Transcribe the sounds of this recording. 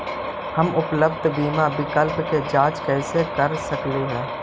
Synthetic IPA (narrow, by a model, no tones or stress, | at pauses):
hɐmʊpləbd̪ʱbiːmabɪkəlpked͡ʒaːd͡ʒkɛːsekəɾsəkleɦɛː